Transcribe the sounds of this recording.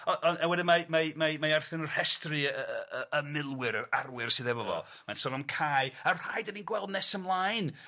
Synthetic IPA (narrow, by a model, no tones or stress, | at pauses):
ɔʔɔnawɛdɪmamajmamajarθɪnər̥hɛstrɨəəəmɪlˠwɪɾarwɪrsɨːðɛvɔvɔ̰ | mansɔnɔmkʰaːjḁajdəninɡwɛlˠdnɛsəmlˠajn